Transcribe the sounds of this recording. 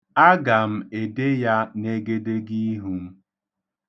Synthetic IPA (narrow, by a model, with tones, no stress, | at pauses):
a˦ɡa˨m̩˦e˨de˦ja˦ne˦ɡe˦de˦ɡi˦ɦu˨m̩˦